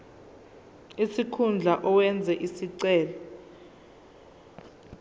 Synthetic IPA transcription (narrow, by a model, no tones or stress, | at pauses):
isikʰund͡ɮʱaʔɔwɛnd͡zʱɛʔisiǀɛːla